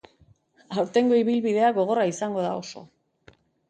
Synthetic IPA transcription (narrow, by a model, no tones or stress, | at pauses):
awɾt̪e̞ŋɡo̞iβilβiðe̞aɡo̞ɣ̞o̞raisaŋɡo̞ð̞ao̞so̞